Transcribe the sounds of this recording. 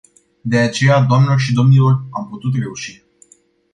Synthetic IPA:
d̪e̞at͡ʃe̞jad̪oamnelo̞rʃid̪o̞mnilo̞ramput̪ut̪̬re̞uʃi

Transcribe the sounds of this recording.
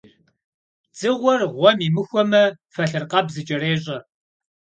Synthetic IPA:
d͡zʼɨʁʷɔrʁʷɔmimɨxʷɔmɐfɐɬɨrqɐbzɨt͡ʃʼɐɾeːɕʼɐ

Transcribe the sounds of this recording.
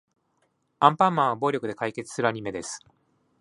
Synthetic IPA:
ãmpãmːãɰ̃βabo̞ːɾʲo̞kɯd̪e̞kaike̞t͡sɨ̥sɨɾɯ̟aɲ̟ime̞d̪e̞sɨ̥

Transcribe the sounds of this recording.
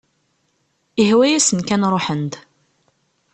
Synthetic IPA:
iɦwæjæsənkænɾˤoħənd̪

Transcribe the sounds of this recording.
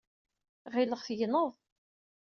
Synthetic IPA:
ʁɪləʁθjənəðˤ

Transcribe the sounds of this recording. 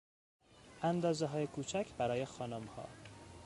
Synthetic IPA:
ʔænd̪ɒːzeɦɒːjekʰuːt͡ʃʰækʰbæɾɒːje̞xɒːnomhɒ̰ː

